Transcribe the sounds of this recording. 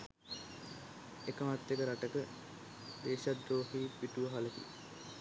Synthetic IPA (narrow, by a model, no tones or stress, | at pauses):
ekəmat̪ːekəɾaʈəkə | d̪eːʃad̪ːoːɦiːpiʈuʋəɦalək̪ḭ